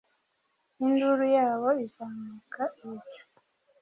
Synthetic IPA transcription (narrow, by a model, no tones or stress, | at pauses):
induɾujaːβo̞izaːmukʰaijo̥